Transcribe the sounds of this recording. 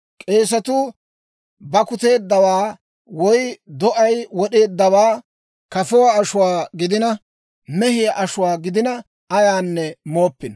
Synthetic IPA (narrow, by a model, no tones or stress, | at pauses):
kʼe̞ːs̬ɐt̪ʊ | bɐkʊt̪e̞ːd̪ːɐwaː | wɔjd̪ɔʔɐjwɔɗe̞ːd̪ːɐwaː | kɐfɔwaːʃʊwaːɡɪd̪ɪnɐ | mɛhɪjɐʔɐʃʊwaːɡɪd̪ɪnɐ | ɐjaːnːɛmo̞ːpːɪn